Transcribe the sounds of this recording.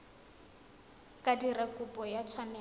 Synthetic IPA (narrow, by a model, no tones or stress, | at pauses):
kʼadirakʼʊpʼɔjat͡sʰwanɛ